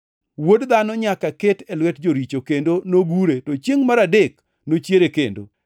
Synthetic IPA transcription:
wodd̪anɔɲakaketɛlwɛtd͡ʒoɾit͡ʃokendonoɡuɾetot͡ʃjeŋmaɾadek | not͡ʃjeɾekendo̰

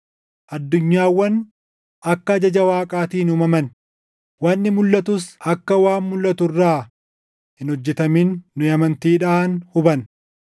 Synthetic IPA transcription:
ʔɐd̪ːʊɲːaːwːɐn | ʔɐkːɐːd͡ʒɐd͡ʒɐwaːkʼaːt̪iːnuːmɐmɐn | waːnːɪmʊlːɐt̪ʊsɐkːɐwaːnmʊlːɐt̪ʊrːaː | hɪnhɔd͡ʒːɛt̪ɐminːʊɐmɐnt̪iːᶑaːnhʊbɐn

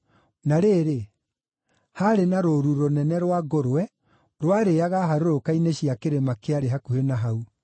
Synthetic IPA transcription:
naɾeːɾe | haɾenaɾoɾuɾonɛnɛɾwaɡoɾowɛ | ɾwaɾeaɣaɦaɾoɾokaineɕiakeɾemakeaɾeɦakuhenaɦau

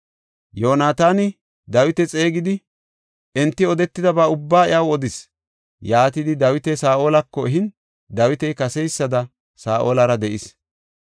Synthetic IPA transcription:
jo̞ːnaːt̪aːnɪ | d̪ɐwɪt̪ɛt͡sʼe̞ːɡɪd̪ɪ | ʔɛnt̪ːɪɔd̪ɛt̪ːɪd̪ɐbaʊbːaːɪjʔɐwɔd̪ɪs | jaːt̪ɪd̪ɪd̪ɐwɪt̪ɛsaːʔo̞ːlɐkːɔɛɦɪn | d̪ɐwɪt̪ɛjkɐsɛjsːɐd̪ɐ | saːʔo̰ːlɐɾɐd̪ɛʔɪs

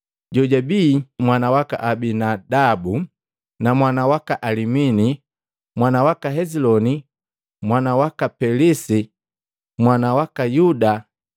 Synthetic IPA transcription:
ɟɔɟabiːmwanawaka̰ʔabinadabu | namwanawakaʔalimini | mwanawakaɦɛzilɔni | mwanawakapɛlisi | mwanawakajuda

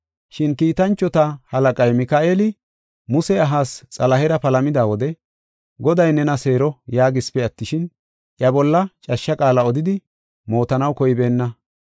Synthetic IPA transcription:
ʃɪnkiːt̪ɐnt͡ʃːɔt̪ɐhɐlɐkʼɐjmɪkaːʔeːlɪ | mʊsɛɐɦaːst͡sʼɐlɐɦɛɾɐpɐlɐmɪd̪aːwɔd̪ɛ | ɡɔd̪ɐjnɛnɐse̞ːɾɔjaːɡɪspɛɐt̪ːɪʃɪn | ʔjɐbɔlːɐt͡ʃʼɐʃːɐkʼaːlɐɔd̪ɪd̪ɪ | mo̞ːt̪ɐnɐwkɔjɪbe̞ːnːɐ

